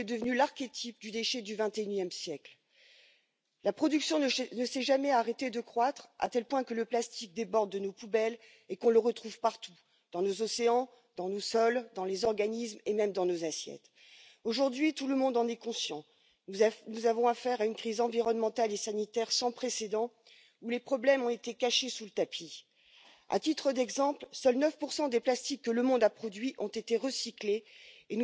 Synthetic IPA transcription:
ɛd̪əvnylaʁkʲet̪ʰip̚d̪yd̪eʃɛd̪yvɛ̃t̪eynjɛmsjɛkl | lapχɔd̪yksjɔ̃nəsɛʒamɛaʁet̪ed̪əkχwat̪χa̰t̪ɛlpwɛ̃kələplast̪ik̚d̪ebɔʁd̪ːənopubɛl | ekɔ̃ləʁət̪χuv̥paʁt̪u | d̪̥ɑ̃nozɔseɑ̃ | d̪̥ɑ̃nosɔld̪ɑ̃lezɔʁɡanismemɛmd̪ɑ̃nozasjɛ̰t̪ | oʒuʁd̪ɥit̪uləmɔ̃d̪ɑ̃nɛkɔ̃sjɑ̃ | nuzavɔ̃afɛʁaynkχizɑ̃viʁɔnmɑ̃t̪alesanit̪ɛʁsɑ̃pχesed̪ɑ̃ | ulepχɔblɛmɔ̃et̪ekaʃesulət̪apʰi | a̰t̪it̪χəd̪ɛɡzɑ̃plsœlnœfpuʁsɑ̃d̪eplast̪ikːələmɔ̃d̪apχɔd̪ɥiʔɔ̃t̪et̪eʁəsikleːn

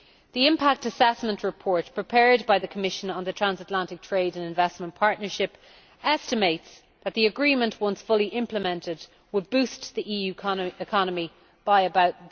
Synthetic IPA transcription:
ðiɪ̃mpʰak̚təsɛsmə̃nʔɹɪpʰɔɹt̚pʰɹ̥ɪpʰɛɹd̚baɪðəkʰəmɪʃə̃nə̃nðətʰɹ̥ãnzətˡlãntɪk̚tʰɹ̥eɪɾə̃nɪ̃ɱvɛsmə̃npʰɑɹtⁿnə˞ʃɪp | ɛstɨmeɪts | ðət̪̚ðiəɡɹĩmə̃nʔwʌ̃nsfʊlˠiʔɪ̃mpləmɛ̃ntɪd | wəd̚bʉˑstðiʔijʉɪkʰɑnəmi | b̥aɪəbaʊt̪̚

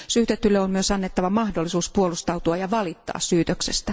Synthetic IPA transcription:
syːt̪et̪ːylːeomyøsɑnːet̪ːɑʋɑmɑhdolːˑisuːspuolust̪ɑut̪uɑjɑʋɑlit̪ːɑ̰ːssyːt̪øksest̪æ

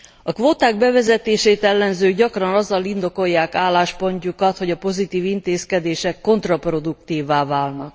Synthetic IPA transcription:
ɒkʋoːt̪aːɡ̚bɛvɛzɛt̪eːʃeːt̪ɛlːɛnzøːɟɒkrɒnɒzːɒlind̪o̞ko̞jːaːkaːlːaːʃpo̞ɲcukɒt̪ho̞ɟɒpo̞zit̪iːvint̪eːskɛd̪eːʃɛkːo̞nt̪rɒpro̞d̪ukt̪iːvːaːvaːlnɒk̚

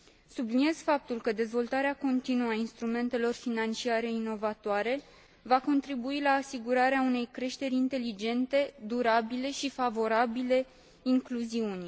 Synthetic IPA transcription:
sublinie̞z̥fap̚t̪ulkəd̪e̞zvo̞lt̪aɾeako̞nt̪inuəainst̪ɾume̞nt̪e̞lo̞rfinant͡ʃiaɾe̞ino̞vat̪oaɾe̞ | vako̞nt̪ɾibuilaːsiɡuɾaɾeaune̞jkɾe̞ʃt̪e̞ɾʲint̪e̞lid͡ʒe̞nt̪e̞d̪uɾabile̞ʃifavo̞ɾabile̞ | iŋkluziunʲ

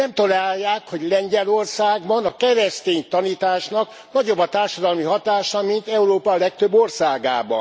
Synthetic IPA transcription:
nɛmt̪ɒlaːjːaːkho̞ɟlɛɲɟɛlo̞rsaːɡbɒnɒkɛɾɛst̪eːɲt̪ɒniːt̪aːʃnɒk | nɒɟo̞bːɒt̪aːrʃɒd̪ɒlmiɦɒt̪aːʃɒmint̪ɛuɾoːpɒlɛk̚t̪øbːorsaːɡa̰ːbɒ̰n

